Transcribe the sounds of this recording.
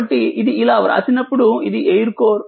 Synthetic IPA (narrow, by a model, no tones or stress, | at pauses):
ɐʈːiiðiɪlaːʋɐɾa̰ːsinɐpːuɽuiðiʔejɐɾkoːɾ